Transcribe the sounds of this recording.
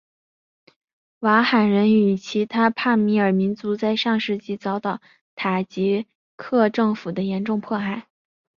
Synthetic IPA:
wa˧˥xa˨˩nɻə˧˥ny˨˩t͡ɕʰi˧˥t̪ʰa˥pʰa˥˩mi˧˥ə˞˨˩mi˧˥nt͡su˧˥t͡sa˥˧ɪʂɑ˥˧ŋʂɻ̩˥˧t͡ɕi˧˥˩t͡sɑ˧˥ʊt̪ɑ˨˩˦ʊ | t̪ʰa˨˩t͡ɕi˧˥ | kʰɤ˥˧ʈ͡ʂɤ˥˩ŋfu˨˩d̪ə˦jɛ˧˥nʈ͡ʂʊ˥˧ŋpʰwɔ˥˧xa˥˩ɪ

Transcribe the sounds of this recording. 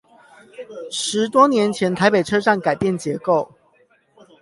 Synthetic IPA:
ʂɻ̩˧˦t̪wɔ˥njɛ˨˧˥nt͡ɕʰjɛ˧˦˥nt̪ʰa˨˧ɪpe˨˩ɪʈ͡ʂʰɤ˥ʂa˥˨ŋka˨˩ɪpjɛ˥˨nt͡ɕjɛ˧˥ko˥˨ʊ

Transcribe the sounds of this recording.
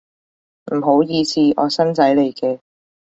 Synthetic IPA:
m̩˨˩ɦo˨˥wjiː˧siː˧ʔɔ̰ː˨˧sɐ˥nsɐ˨˥jle˨jkɛː˧

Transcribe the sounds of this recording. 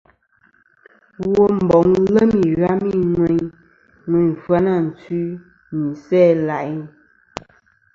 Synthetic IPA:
wo˨m̩˨bɔ˨ŋlə˦mi˨ɣa˦mi˦ŋwɛ˨ɲ | ŋwɛ˨ɲfwa˦na˦˨n̩˨t͡si˦ | ni˨sɛː˦˨la˨ʔi˦

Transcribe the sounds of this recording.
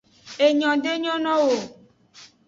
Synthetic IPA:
e˨ɲɔ̃˨ɖe˦ɲɔ̃˦nɔ̃˦wo˨

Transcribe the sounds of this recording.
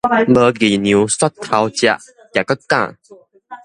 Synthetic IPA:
mə˧ɡi˨˩nju˨˦swa˥t̪ʰːa˨˧wt͡ɕja̰˧˨ʔ | kja˨˩ka˦kã̰˥˨

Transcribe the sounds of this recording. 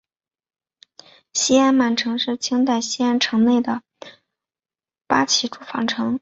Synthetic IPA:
ɕi˥a˥nma˨˩nʈ͡ʂʰɤ˧˥ŋʂɻ̩˥˩t͡ɕʰi˥ŋt̪̬a˥˩ɪɕi˥a˥nʈ͡ʂʰɤ˧˥ŋne˥˩ɪd̪ə˩ | pa˥t͡ɕʰi˧˥ʈ͡ʂu̥˨˥˩fɑ̰˨˩ŋʈ͡ʂʰɤ˧˥ŋ

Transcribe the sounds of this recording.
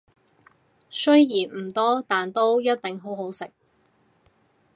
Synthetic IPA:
sɵ˥ɥjiː˨˩nm̩˨˩t̪ɔː˥t̪aː˨nt̪o˥wjɐ˥t̚t̪ɪ˨ŋɦo˨˥wɦo˨˥wsɪ˨k̚

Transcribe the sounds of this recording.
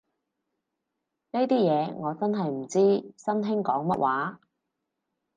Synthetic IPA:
ne˥jt̪iː˥jɛː˨˧ŋɔː˨˧t͡sɐ˥nɦɐ˨jm̩˨˩t͡siː˥sɐ˥nɦɪ˥ŋkɔː˨˥ŋmɐ˥t̚waː˨˥

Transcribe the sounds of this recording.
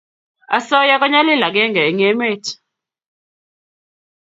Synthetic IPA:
a˨sɔ˦ja˦k̬ʼa˦ɲa˦lɛ˦˨la˨k̬ɛ˦ŋɡɛ˨ɛ˨ŋɛ˦me˦tʰ

